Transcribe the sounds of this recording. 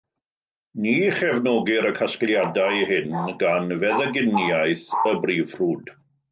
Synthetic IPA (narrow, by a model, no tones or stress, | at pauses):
niːχɛvnɔɡɪɾəkʰasklˠjadaɨɦɪnɡanvɛðəɡɪnjajθəbriːv̥ruːd̥